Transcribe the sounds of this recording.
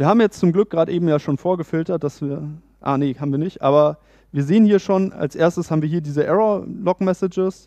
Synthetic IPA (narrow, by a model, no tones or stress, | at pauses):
viːɐhaːbmjɛt͡st͡sʊmɡlʏk̚ɡ̥ʁaːdəʔeːbm̩jaːʃoːnfoːɐɡəfɪltɐt̚d̥asv̥iːɐ | ʔa̰ːnehaːbm̩viːɐnɪçtʔa̰ːbɐ | viːɐzeːənhiːɐʃoːna̰lsʔeːɐstəshaːbmviɐiːɐdiːzəʔɛʁolɔkmɛsɪd͡ʒəs